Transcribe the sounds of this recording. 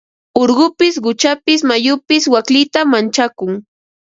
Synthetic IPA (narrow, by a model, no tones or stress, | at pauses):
oɾɢʊpɪsɢʊt͡ʃapɪs̬majʊpɪswaklɪt̪amant͡ʃakʊŋ